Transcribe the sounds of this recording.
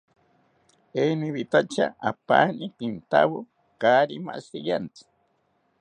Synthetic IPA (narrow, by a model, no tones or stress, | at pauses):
eniβit̪at͡ʃa̰ʔapaːnipint̪a̰wo | kaɾima̰sijant͡sɨ̥